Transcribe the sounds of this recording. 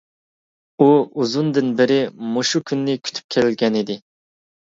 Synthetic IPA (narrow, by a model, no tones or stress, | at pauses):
uuzund̪ɪnbɪɾɪmoʃukʲʰynːɪkʲʰy̥t̪ʰy̥p̚kʲʰelɪlɡʲɛnɪd̪ɪ